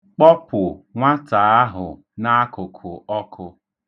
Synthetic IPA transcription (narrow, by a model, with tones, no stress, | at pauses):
k͡pɔ˦pʊ˨ŋʷa˦ta˨a˦ɦʊ˨ | na˦kʊ˨kʰʊ˨ɔ˦kʰʊ˦˧